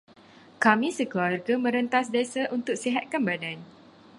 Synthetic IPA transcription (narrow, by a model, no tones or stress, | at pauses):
kamĩsəkəarɡamə̃ɾənt̪as̬desaʔunt̪ʊk̚siɦat̪̚kanbadan